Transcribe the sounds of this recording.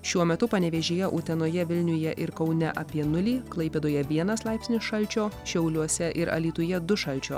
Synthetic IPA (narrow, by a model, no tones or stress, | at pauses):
ʃʲuɔmʲɛt̪ʊpɐnʲɛʋʲɛʒʲeːjɛʔut̪ʲɛnoːjɛʋʲɪlʲnʲʊjɛʔɪɾkɒʊnʲɛʔɐːpʲiɛnʊlʲiːklˠɐɪpʲeːd̪oːjɛʋʲiɛnɐslˠɑˑɪpʲsʲnʲɪsʃɐlʲt͡ʃʲoːʃʲɛʊlʲuɔsʲɛʔɪɾɐ̰lʲiːt̪ʊjɛd̪ʊʃɐlʲt͡ʃʲo̰ː